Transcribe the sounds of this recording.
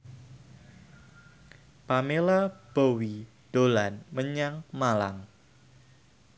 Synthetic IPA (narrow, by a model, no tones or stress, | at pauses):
pamelab̥owi | d̥olanməɲaŋmalaŋ